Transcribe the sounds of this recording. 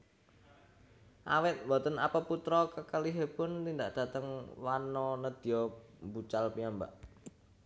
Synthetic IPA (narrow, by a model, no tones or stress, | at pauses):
ʔa̰wɪt̪̚bɔt̪ənapəput̪ɾɔkəkəliɦepʊnt̪ind̪aʔd̥a̤t̪əŋwanɔnəd̪̥ijɔmbut͡ʃalpiamba̰ʔ